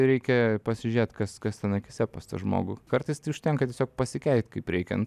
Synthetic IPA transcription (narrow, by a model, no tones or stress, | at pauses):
ɾʲɛɪkʲɛpɐsʲɪʒʲeːt̪kɐskɐst̪ʲɛnɐkʲɪsʲɛpɐst̪ɐ̰ʒmo̰ːɡʊkɐrt̪ɐɪst̪ɐɪʊʃʲt̪ʲɛŋkɐtʲiɛsʲoːk̚pɐsʲɪkʲɛɪt̪kɐɪpɾʲɛɪkʲɛ̰n